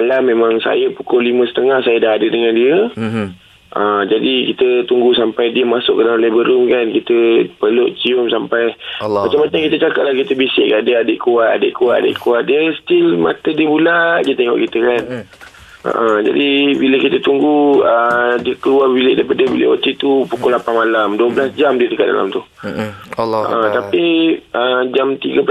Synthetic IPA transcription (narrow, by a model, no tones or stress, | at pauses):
alahmẽmãŋsa̰jəpukʊlimə̃sə̥t̪əŋahsajədaɦadədəŋãndiə | ʔəd͡ʒadikit̪ət̪uŋɡusampajdiəmasʊʔkːədalanlebəɾʊmkankit̪əpəlʊʔt͡ʃiʊmsampajmat͡ʃamat͡ʃaŋkit̪ət͡ʃakaʔ̪̚lahkit̪əbisɪʔkadəadɪʔkuat̪̚a̰dɪʔkuat̪dɪʔkuatʔ̪̚diəst̪ɪlma̰t̪ədiəbulaʔdiət̪ɛŋɔ̰ʔkit̪əkan | ʔə̰ʔəd͡ʒa̰dibiləkit̪ət̪uŋɡuədiəkəluabilɪʔdajpadəbilɪ̰ʔot̪it̪upukʊlapanmalamduəbəlasd͡ʒamdiədəkat̪̚da̰la̰mt̪u | ə̰ʔət̪apiəd͡ʒamt̪iɡəpə